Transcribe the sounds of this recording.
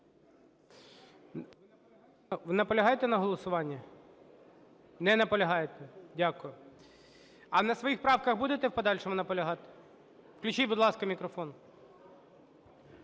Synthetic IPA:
nɐpɔlʲɐɦɑjet̪ɛnɐɦɔlˠɔsʊʋɑnʲːɐ | nɛnɐpɔlʲɐɦɑjet̪ɛdʲakʊjʊ | ɐnɐsʋɔjixpɾɑwkɐɣbud̪et̪ɛpɔd̪ɑlʲʃɔmʊnɐpɔlʲɐɦɑt̪ɪ̥ | fklʲʉt͡ʃijbʊd̪lˠɑskɐmʲikɾɔfɔnʊ

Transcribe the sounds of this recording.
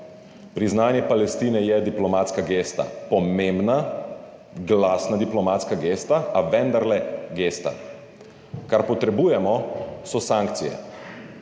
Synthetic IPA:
pɾiznaːnjɛpalɛst̪iːnɛjɛd̪iplɔmaːt̪skaɡeːst̪a̰pɔmeːmbna | ɡlaːsnad̪iplɔmat̪skaɡeːst̪aaʋɛ̃nd̪aɾlɛɡeːst̪a̰ | kaɾpɔt̪ɾɛbuːjɛmɔsɔsaŋkt̪sijɛ̰

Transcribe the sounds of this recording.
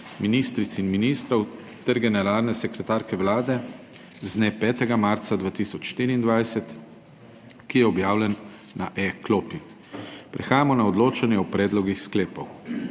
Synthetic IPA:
miniːst̪ɾit̪sinminiːst̪ɾɔw | t̪ɛɾɡɛnɛɾaːlnɛsɛkɾɛt̪aːɾkɛwlaːd̪ɛ | znepɛːt̪ɛɡamaɾt̪sad̪ʋaːt̪isɔt͡ʃʃt̪iɾiːnd̪ʋajsɛt̪ | kijɛɔbjaːwlɛnː | aʔɛklopi | pɾɛxaːjamɔnaɔd̪loːt͡ʃanjɛɔpɾɛːd̪lɔɡixskleːpɔw

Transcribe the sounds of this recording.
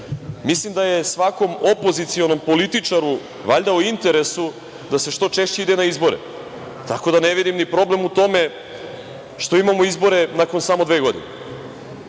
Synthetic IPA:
mislimd̪aje̞sʋako̞mo̞po̞zit̪sio̞no̞mpo̞lit̪it͡ʂaɾu | ʋaʎd̪auint̪e̞ɾe̞su | d̪ase̞ʃt̪o̞t͡ʃe̞ʃt͡ɕe̞id̪enaizbo̞ɾḛ | t̪ako̞d̪ane̞ʋid̪imnipɾo̞ble̞mut̪o̞me̞ | ʃt̪o̞imamoizbo̞ɾe̞nako̞nsamo̞d̪ʋeːɡo̞d̪ḭne

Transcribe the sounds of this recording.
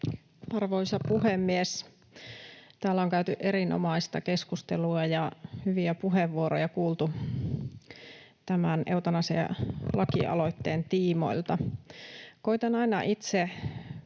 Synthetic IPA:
ɑrʋoisɑpuhemːies | t̪æːlːæoŋkæyt̪yʔeɾinʔo̰mɑist̪ɑke̞skust̪eluɑjɑhyʋiæpuɦeʋːuoɾojɑkuːlt̪u | t̪æmæneut̪ɑnɑsḛlɑkḭʔɑ̰lo̞it̪ːeːnt̪iːmo̞̰ilt̪ɑ | ko̞it̪ɑnɑinɑʔit̪se

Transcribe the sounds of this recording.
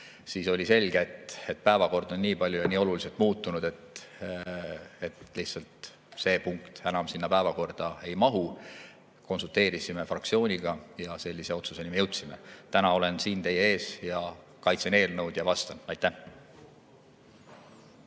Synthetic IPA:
siːso̞lʲise̞lʲɡeet̪et̪̚pæevɑko̞rd̪̥o̞nːiːpɑlʲjujɑniːo̞luliselt̪ˑmuːt̪ːˑunud̪̥e̞t̪ | et̪lihtsɑlt̪ | se̞ːpuŋkt̪ænɑmsinːɑpæːvɑko̞rd̪̥ɑe̞jmɑɦu | ko̞nsult̪ˑe̞ːɾisime̞frɑk̚tsio̞ːnʲiɡ̥ɑjɑse̞lʲːise̞o̞t̪suse̞nʲimejewt̪sime̞t̪ænɑo̞le̞nsiːnt̪e̞jee̞ːsjɑ | kɑjt̪sene̞ːlnɤwd̪̥jɑvɑst̪ɑnɑjt̪ːæh

